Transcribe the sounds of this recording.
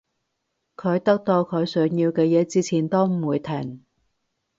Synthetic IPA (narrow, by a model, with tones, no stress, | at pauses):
kʰɵ˨˧ɥt̪ɐ˥k̚t̪o˧wkʰɵ˨˧˥jsœː˨˧˥ŋjiː˧wkɛː˧jɛː˨˧t͡siː˥t͡sʰiː˨˩nt̪ɔː˥m̩˨˩wuː˨˧jt̪ʰɛ˨˩ŋ